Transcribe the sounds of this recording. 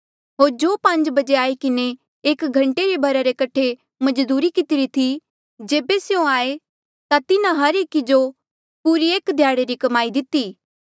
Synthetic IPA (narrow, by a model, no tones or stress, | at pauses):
ɦoːɾd͡ʒoːpɐ̃ɲd͡ʒbɐd͡ʒeaːikɪne | eːkɡʱɐ̃ɳʈeɾebʱɐɾaɾekɐʈʰe | mɐd͡ʒd̪uːɾikɪt̪ɪɾit̪ʰi | d͡ʒeːbesjõaːe | t̪at̪ɪnãɦɐɾeːkid͡ʒo | puɾieːkd̪ʱjaːɽeɾikɐmaːid̪ɪt̪iː